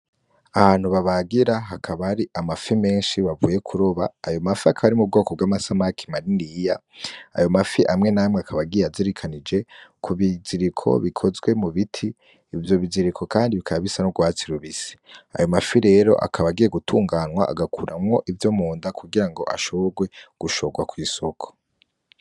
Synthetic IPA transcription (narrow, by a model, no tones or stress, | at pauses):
aβaːn̥huβaβaɡiɾaɦakʰaβaɾiʔamafime̞ːnʃiβavṵːje̞kʰuɾoβaːjo̞mafiakʰaβaɾimub̚ɡo̞ːkob̚ɡwaːmasamakʰi̥maɾindijaa̰jo̞mafiʔamŋe̞naːmŋeakʰaβaɡijeaziɾikʰanid͡ʒe̞kʰuβiziɾikʰo̞̰βikʰo̞zɡwe̞muβitʰiː | vjo̞βiziɾikʰo̞kaːndiβikʰaβaβisanoɡwaːt͡siɾuβisi̥a̰jo̞mafiɾe̞ːɾo̞̰ʔa̰kʰaβaɡije̞ɡutʰuːŋɡaːnwaʔa̰ɡakʰuɾʔamŋo̞ʔivjo̞muːndakʰuɡiɾaŋɡo̞̰ʔa̰ʃoβoɡwe̞ɡ̥uʃo̞ɡwakwiːsokʰo̥